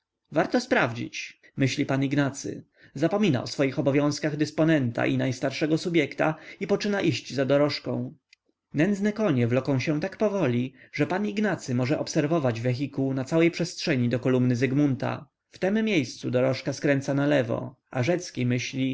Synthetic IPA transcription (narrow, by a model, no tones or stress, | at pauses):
vaɾt̪ɔspɾavd͡ʑḭt͡ɕ | mɘɕlʲipaniɡnat̪sɘ̰ | zapɔmʲina̰ʔɔsfɔjixɔbɔvʲjɔ̃w̃skaɣd̪ɛspɔnɛnt̪a̰ʔinajst̪aɾʂɛɡɔsubʲjɛkt̪a̰ipɔt͡ʂɘnaʔiɕd͡ʑzad̪ɔɾɔʂkɔ̰̃w̃ | nɛnd̪znɛkɔɲɛvlɔkɔ̃w̃ɕɛ̃t̪akpɔvɔlʲiʐ̥ɛpaniɡnat̪sɘmɔʐɛʔɔpsɛɾvɔvad͡ʑvɛxʲikunat̪sawɛjpʂɛstʂɛɲid̪ɔkɔlumnɘzɛɡmunt̪a̰ | ft̪ɛmːʲjejst̪sud̪ɔɾɔʂkaskɾɛnt̪sanalɛvɔ̰ʔa̰ʐɛt̪skʲimɘɕlʲi